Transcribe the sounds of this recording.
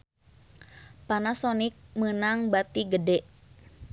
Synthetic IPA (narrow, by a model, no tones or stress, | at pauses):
panasɔnik̚mənaŋbat̪iɡədɛʔ